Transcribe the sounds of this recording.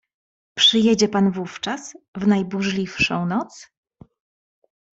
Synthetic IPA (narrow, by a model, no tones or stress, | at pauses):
pʂɘjɛd͡ʑɛpanvuft͡ʂasvnajbuʐlʲifʂɔ̰̃w̃nɔt̪s